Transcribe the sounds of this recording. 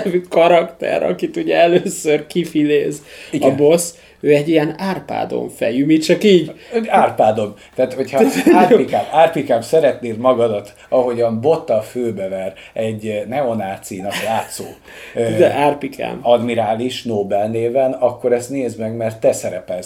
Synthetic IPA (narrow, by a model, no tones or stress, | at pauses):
vykɒɾɒkt̪ɛ̰ɾɒ̰kit̪uɟɛɛløːsørkifileːziɡɒnbo̞s | øːɛɟːiɛnaːrpa̰ːd̪o̞̰ɱfɛ̰jymit͡ʃɒkiːɟaːrpaːd̪o̞mt̪aːt̪ho̞cʰhɒaːrpikaːmaːrpikaːmsɛɾɛt̪neːlmɒɡɒd̪ɒt̪ | ɒɦo̞ɟɒmbo̞t̪ːɒføːbɛvɛr | ɛɟnɛonaːt̪sinɒkjaːt̪so̰ː | d̪ɛʔaːrpikʰa̰ːmɒd̪miɾaːliʃnoːbɛlneːvɛnɒkːo̞ɾɛst̪neːzmɛɡmɛrt̪ːɛsɛɾɛpɛls